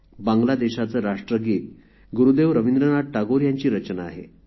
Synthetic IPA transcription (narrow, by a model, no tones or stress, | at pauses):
bãŋɡlad̪eɕat͡səɾaʂʈɾəɡiːt̪ | ɡuɾud̪eʋɾəʋind̪ɾənaʈ̚ʈaɡoɾjaɲt͡ɕiːɾət͡ɕnaːɦḛ